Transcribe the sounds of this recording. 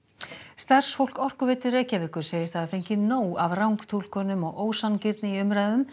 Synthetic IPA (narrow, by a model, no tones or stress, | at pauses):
st̪ar̥sfowl̥kɔr̥kʏvɛːt̪ʏɾreːjcavɪhkʏɾ̥seːjɪɾ̥θaðafejɲ̥cɪnoːwavrawŋkt̪ʰul̥kʰɔnʏmɔɣʔoːwsancɪɾt̪nɪiʏmɾajððʏm